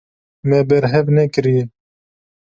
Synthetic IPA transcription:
mɛbɛɾɦɛvnɛkɨɾijɛ

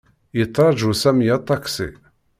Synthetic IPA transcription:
jət͡s̪ˤːɾˤɑd͡ʒusæmjat̪ˤːɑksḭ

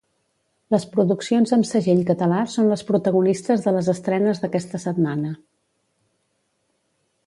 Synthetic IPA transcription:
ləspɾuðuksionzəmsəʒeʎkət̪əlasonləspɾut̪əɣunist̪əzðələzəst̪ɾɛnəzðəkɛst̪əsət̪manə

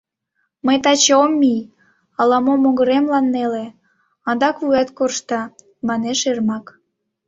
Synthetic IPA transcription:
məjt̪ɑt͡ɕomːij | ɑlɑmomoɣəɾemlɑnːele | ɑnd̪ɑkuɑt̪korʃt̪ɑ | mɑneʃermɑk

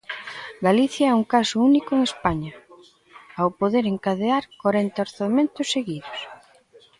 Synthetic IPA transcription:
ɡaliθjɐɛuŋkasʊunikʊeŋespaɲɐ | awpoðeɾeŋkaðeaɾkwaɾent̪aoɾθamẽnt̪ʊsːeɣiðʊs

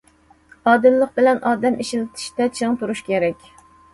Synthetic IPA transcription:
ɑːd̪ɨmlˠəq̚bɪlɛnʔɑːd̪ɛmʔiʃilɪt̪ʰɪ̥ʃt̪ɛt͡ʃʰeŋt̪ʰuɾuʃkʲʰeɾɛkʲ

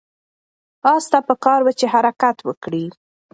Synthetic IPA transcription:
ɑst̪apəkɑɾwət͡ʃeɦaɾakat̪wəkɽi

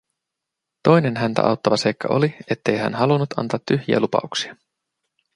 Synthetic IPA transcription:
t̪o̞jne̞nɦænt̪æ̰ʔɑ̰wt̪ːɑʋɑse̞jkːɑ̰ʔo̞̰lie̞t̪ːe̞jɦæ̰nɦɑlunːut̪ɑ̰nt̪ɑːt̪ːyçjiæ̰lupɑ̰uksiɑ

